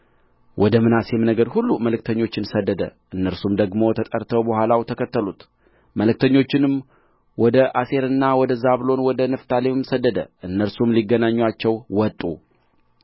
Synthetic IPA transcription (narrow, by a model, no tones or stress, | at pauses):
wʔɔd̪əmɨnasemnəɡəɾhulːuməlɨk̚t̪ʰəɲːo̞t͡ʃːɪnsəd̪ːəd̪ə̰ʔɨnːəɾsumd̪əɡmo̞t̪ʰət̪ʼəɾt̪ʰəwbəhʷalawt̪ʰəkʰət̪ːəlut̪ | məlɨk̚t̪ʰəɲːo̞t͡ʃːɪnɨm | wɔd̪əʔase̞ɾɨnːawɔd̪əzaβlo̞nwɔd̪ənəft̪ʰalemɨmsəd̪ːəd̪ə̰ʔɨnːəɾsumliɡːənaɲːwat͡ʃːɛwwɔt̪ʼːṵ